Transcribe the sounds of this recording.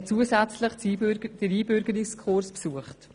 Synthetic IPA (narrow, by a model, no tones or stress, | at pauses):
t͡suːəsɛt͡sləχd̥əɾiːbʏɾɡəɾikskʰʊɾspsuːəχt